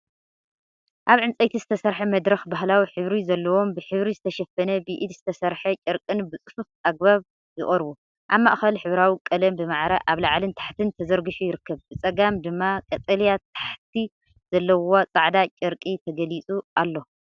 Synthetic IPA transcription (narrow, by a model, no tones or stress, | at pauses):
ʔaβʕɨnt͡sʼɐjt̪ʰizɨt̪ʰɐsɐɾħɐmɐd̪ɾɐxbaɦlawiħɨβɾizɐlːɐwo̞mbɨħɨβɾizɨt̪ʰɐʃɐfɐnɐbiʔid̪zɨt̪ʰɐsɐɾħɐt͡ʃʼɐɾkʼɨnbɨt͡sʼɨfufaɡ̚baβ | jɪχʼɐɾbu | ʔaβmaʔxɐlħɨβɾawikʼɐlɐmbɨmaʕɾaʔaβlaʕlɨnt̪ʰḁħt̪ʰɨnt̪ʰɐzɐɾɡɨħujɪɾɨkːɐβbɨt͡sʼɐɡamd̪ɨmːakʼɐt̪ʼɐlijat̪ʰḁħt̪ʰi | z̥ɐlːɐwot͡sʼaʕd̪at͡ʃʼɐɾkʼit̪ʰɐɡɐlit͡sʼuʔalːo̞